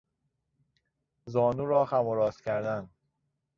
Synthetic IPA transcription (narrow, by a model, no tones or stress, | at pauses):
zɒːnuːɾɒːxæmoɾɒːscʰæɾd̪æn